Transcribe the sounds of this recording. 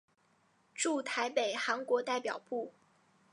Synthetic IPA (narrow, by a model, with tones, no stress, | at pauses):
ʈ͡ʂu˥˩t̪ʰa˧˥ɪpe˨˩ɪxa˧˥nkwɔ˧˥t̪a˥˩ɪpjɑ˨˩ʊpu˥˩